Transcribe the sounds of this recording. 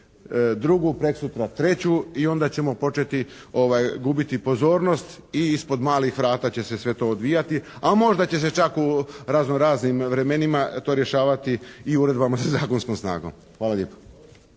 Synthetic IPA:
d̪ɾuɡupɾe̞ksut̪ɾat̪ɾe̞t͡ɕuio̞nd̪at͡ɕe̞mo̞po̞t͡ʃe̞t̪i | o̞ʋajɡubit̪ipo̞zo̞ːɾno̞st̪ | iispo̞d̪maːlixʋɾaːt̪at͡ɕe̞se̞sʋe̞t̪o̞ːd̪ʋiːjat̪iamo̞ʒd̪at͡ɕe̞s̬e̞t͡ʃakuɾazno̞ɾaːznimʋɾe̞me̞nimat̪o̞ːɾje̞ʃaːʋat̪iiuɾe̞d̪bamasazaːko̞nsko̞msna̰ːɡo̞̰m | xʋaːlaʎjeːpo̥

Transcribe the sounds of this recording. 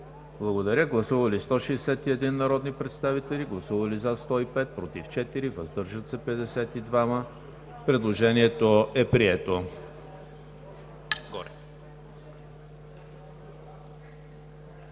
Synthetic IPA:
blˠɐɡod̪ɐɾʲəɡlˠɐsuvəlist̪ɔʃɛːsɛt̪iɛd̪inːɐɾɔd̪nipɾɛt̪st̪avit̪ɛliɡlˠɐsuvɐlizast̪ɔipɛt̪̚pɾot̪ift͡ʃɛt̪iɾivɐzd̪ɤɾʒət̪sɛpɛd̪ɛsɛt̪id̪vamə | pɾɛd̪lˠoʒɛniɛt̪oʔɛpɾiɛt̪o | ɡɔɾɛ

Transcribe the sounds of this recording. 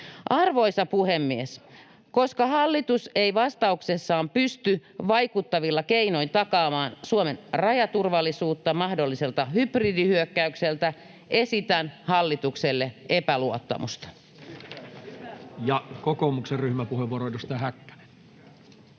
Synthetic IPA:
ʔɑrʋo̞isɑpuhemːies | ko̞skɑhɑlːit̪useiʋɑst̪ɑuksesːɑːmpyst̪yʋɑikut̪ːɑʋilːɑkeino̞int̪ɑkɑːmɑːnsuomenrɑjɑt̪urʋɑlːˑisuːt̪ːɑmɑhdolːiselt̪ɑhypridihyøkːæykselt̪æ | ʔe̞sit̪ænhɑlːit̪ukselːeʔepæluot̪ːɑ̰mṵst̪ɑ̥ | jɑkokoːmukserryhmæpuheʋuoroˑit̪ust̪ɑhækːæ̥ne̥

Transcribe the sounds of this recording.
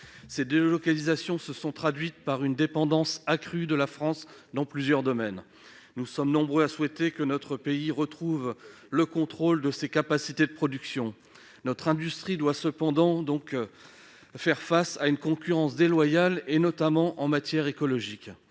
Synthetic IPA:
sed̪elɔkalizasjɔ̃səsɔ̃t̪χad̪ɥit̪̚paʁynd̪epɑ̃d̪ɑ̃sakχyd̪əlafχɑ̃s | d̪ɑ̃plyzjœʁd̪ɔmɛn | nusɔmnɔ̃bʁøaswɛt̪ekənɔt̪χəpeiʁət̪χuv | ləkɔ̃t̪χold̪əsekapasit̪ed̪əpχɔd̪yksjɔ̃ | nɔt̪χɛ̃d̪yst̪χid̪wasəpɑ̃d̪ɑ̃d̪ɔ̃k | fɛʁfasaynkɔ̃kʲyʁɑ̃sd̪elwajalenɔt̪amɑ̃ʔɑ̃mat̪jɛʁekɔlɔʒik

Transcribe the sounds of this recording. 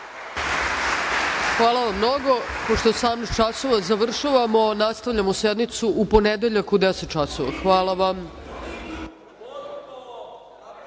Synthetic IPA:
xʋaːlˠaʋamːnoɡo̞poʂt̪osaːmnixt͡ʃasoʋazaʋr̩ʃaʋamo̞nast̪aʋʎamosed̪nit̪suʔuponed̪eʎakud̪eset̪̚t͡ʃasoʋa̰xʋaːlˠaʋam

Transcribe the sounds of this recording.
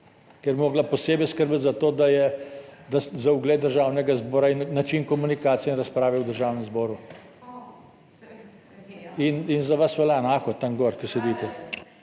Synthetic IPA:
kɛɾbʲmoːɡlapɔseːbɛjskəɾbət̪zat̪oːd̪ajɛd̪aszauɡleːt̪d̪əɾʒaːwnɛɡazbɔːɾainːat͡ʃinkɔmunikaːt̪siɛinɾaspɾaːʋɛwd̪əɾʒaːwnɛmzbɔːɾu | ininzaʋasʋɛlanaːkɔt̪aŋɡɔːɾkəsɛd̪iːt̪ɛ

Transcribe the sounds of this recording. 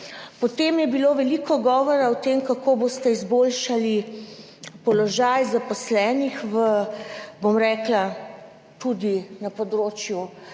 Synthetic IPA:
pɔt̪emjɛbiloːʋɛlikɔɡɔːʋɔɾawt̪emkakoːbost̪ɛizbolʃali | pɔlɔʒajzapɔslɛːnixʋə | bomɾɛːkla | t̪ud̪inapɔd̪ɾoːt͡ʃju

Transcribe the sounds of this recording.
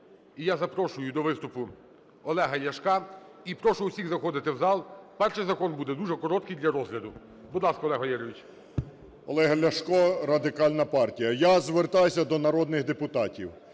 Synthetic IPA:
ijazɐpɾɔʃʊjʊd̪ɔʋɪst̪ʊpʊ | ɔlˠɛɦɐjɐʃkɑipɾɔʃʊʊwsʲiɣzɐxɔd̪ɪt̪ɪwzɑlˠpɛrʃɪjzɐkɔnbud̪ɛd̪uʒɛkɔɾɔt̪kɪjd̪lʲɐɾɔzɦlʲɐd̪ʊ | bʊd̪lˠɑskɐɔlˠɛɦɐjɛɾɔʋʲit͡ʃʲ | ɔlˠɛɦɐlʲɐʃkɔɾɐd̪ɪkɑlʲnɐpɑrtʲijɐjazʋert̪ɑjsʲɐd̪ɔnɐɾɔd̪nɪxd̪epʊt̪ɑtʲiw

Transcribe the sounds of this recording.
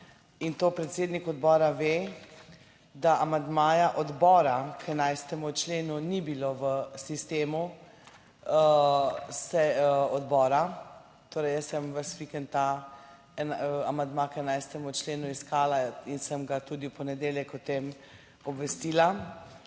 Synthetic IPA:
int̪opɾɛt̪seːd̪nikɔd̪bɔːɾaʋeː | d̪aʔamand̪maːjaʔɔd̪bɔːɾakʰɛnajst̪ɛmut͡ʃleːnunibiloʋəsist̪eːmu | ə | sɛɔd̪bɔːɾa | t̪oːɾɛjəsɛmʋəsʋikənt̪a | ɛnaamand̪makɛnajst̪ɛmut͡ʃleːnuiskaːlainsəmɡat̪ud̪ipɔnɛd̪eːljɛkɔt̪em | ɔbʋɛst̪iːla

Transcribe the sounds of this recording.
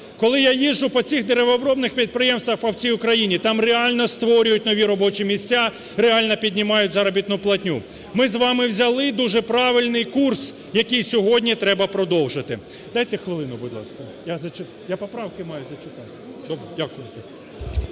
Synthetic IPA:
kɔlˠɪjajiʒːʊpɔt͡sʲixd̪eɾeʋɔːbɾɔbnɪxpʲid̪̚pɾɪjɛmst̪ʋɐxpɐwt͡sʲijʊkɾɐjinʲit̪ɑmreɑlʲnɔst̪ʋɔɾʲʊjʊtʲnɔʋʲiɾɔbɔt͡ʃimʲisʲt͡sʲːa | ɾeɑlʲnɔpʲidʲnʲimɑjʊtʲzɐɾɔbʲit̪nʊplˠɐtʲnʲu | mɪzʋɑmɪwzʲɐlˠɪd̪uʒɛpɾɑʋɪlʲnɪjkurs | jɐkɪjsʲɔɦɔdʲnʲit̪ɾɛbɐpɾɔd̪ɔwʒɪt̪ɪ̰ | d̪ɑjt̪ɛxʋɪlˠɪnʊbʊd̪lˠɑ̰skɐjazɐt͡ʃɪ | japɔpɾɑwkɪmɑjʊzɐt͡ʃɪt̪ɑt̪ɪd̪ɔbɾɛdʲakʊjɪt̪ɛ

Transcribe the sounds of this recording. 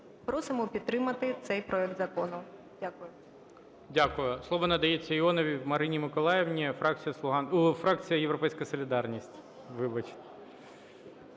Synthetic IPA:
pɾɔsɪmɔpʲid̪t̪ɾɪmɐt̪ɪt̪sɛjpɾɔɛk̚t̪zɐkɔnʊ | dʲakʊjʊ | dʲakʊjʊslˠɔʋɔnɐd̪ɐjet͡sʲːɐiɔnɔʋʲiwmɐɾɪnʲimɪkɔlˠɑjɛwnʲifɾɑk̚t͡sʲijɐslˠʊɦɑnfɾɑk̚t͡sʲijɐjewɾɔpɛjsʲkɐsɔlʲid̪ɑrnʲisʲtʲ | ʋɪbɐt͡ʃɪ̥t̪

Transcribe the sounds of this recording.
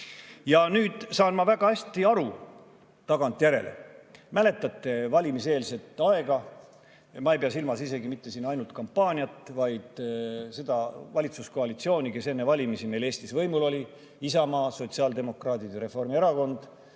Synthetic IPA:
jɑnyːd̪̥sɑːnmɑvæɡ̥ɑæsʲt̪iɑɾu | t̪ɑɡ̥ɑnt̪ˑjæɾe̞̰lḛmæle̞t̪ˑːɑt̪ːˑe̞vɑlʲimise̞ːlse̞t̪ːˑɑe̞ɡ̥ɑ | mɑejpeɑsilmɑsise̞ɡimit̪ːe̞siːnːɑjnult̪̚kɑmpːɑːnʲiɑt̪vɑjd̪̥se̞d̪ɑvɑlʲit̪susko̞ɑlʲit̪sio̞ːnʲike̞se̞nːevɑlʲimisine̞jle̞ːsʲt̪isvɤjmulo̞lʲi | isɑmɑːso̞t̪siɑːld̪e̞mo̞krɑːt̪id̪eɾe̞fo̞rmieɾɑko̞nd̪̥

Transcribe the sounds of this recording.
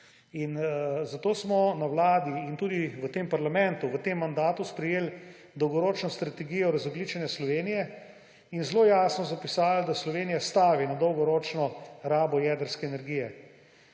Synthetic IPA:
inzat̪oːsmɔnawlaːd̪iːnt̪uːd̪iʋət̪eːmpaɾlamɛnt̪uʋət̪emːand̪aːt̪uspɾɛjeːl | d̪ɔwɡɔɾoːt͡ʃnɔst̪ɾat̪ɛɡijɔɾɐzɔɡliːt͡ʃanjaslɔʋeːnijɛ | inzloːjaːsnɔzapisaːld̪aslɔʋeːnijast̪aːʋinad̪ɔwɡɔɾɔːt͡ʃnɔɾaːbɔjɛːd̪əɾskɛːnɛɾɡijɛ

